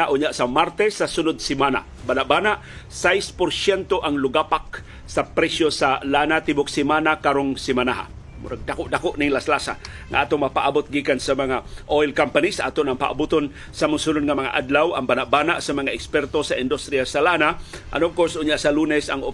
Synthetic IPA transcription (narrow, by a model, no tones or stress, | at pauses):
aʔʊɲjaʔsamaɾt̪ɛsːasʊnʊd̪̚sɪmana̰ | banaʔbanaʔ | sajspʊɾsɛnt̪oʔaŋlʊɡapak̚ | sapɾɛsjosalanat̪ibʊk̚sɪmanakaɾoŋsɪmanaɦa̰ | mʊ̰ɾaɡ̚d̪akoʔd̪akoʔnɪŋlaslasa̰ | ŋa̰ʔat̪oŋmapaʔabʊt̪̚ɡiːkansamaŋaʔojlkampanisaʔat̪onaŋpa̰ʔa̰but̪on | samʊsunʊd̪̚ŋamaŋa̰ʔad̪lawa̰ŋbanaʔ̚banaʔsamaŋaʔɛkspɛɾt̪osaʔɪnd̪ust̪ɾiasalanaʔa̰noŋkosʔʊɲjaʔsalunɛsaŋo